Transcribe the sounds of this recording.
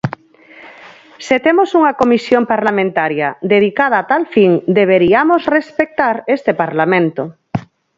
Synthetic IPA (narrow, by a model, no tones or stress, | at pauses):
set̪emosuŋakomisjompaɾlamẽnt̪aɾjad̪eð̞ikað̞aːt̪alfiŋd̪eβ̞eɾiamosrespek̚t̪aɾest̪epaɾlamẽnt̪o